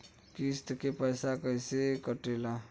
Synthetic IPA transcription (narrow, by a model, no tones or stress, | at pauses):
kist̪kepəjsakəjsekəʈela